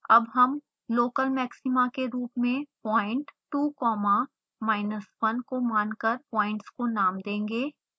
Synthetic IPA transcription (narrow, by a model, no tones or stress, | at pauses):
ɐbɦɐm | loːkəlmɛːksɪmakeɾuːpmẽpɔːɪ̃ɳʈːuːkɔːma | maːɪnəswɐnkomaːnkəɾpɔːɪ̃ɳʈskonaːmd̪ẽːŋɡeː